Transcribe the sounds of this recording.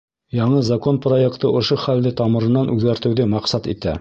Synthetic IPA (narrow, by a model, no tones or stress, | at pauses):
jɑɴɤzɐko̞nproje̞kt̪ɤʔŏʃoχæld̪ɘt̪ɑmɤ̆ɾɤ̆nɑnʔʉðɡæɾt̪ɘ̆wðɘmɑqsɑt̪ḭt̪æ̰